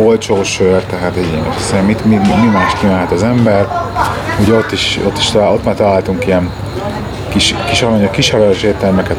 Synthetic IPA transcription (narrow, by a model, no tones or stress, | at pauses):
olt͡ʃoːʃørt̪ɛɦaːt̪ɛɟḛːnɛ̰ʃɛ̥sɛmːit̪miimimaːʃt̪kimaːɦɛt̪ɒzɛmbɛr | uɟɛo̞t̪ːiʃo̞t̪ːi̥ʃt̪ːo̞t̪maːrt̪ɒlaːlt̪uŋkijɛn | kiʃkiʃɒɾɒɲɒkiʃɛɾɒɾøʃeːt̪ɛlmɛkɛt̪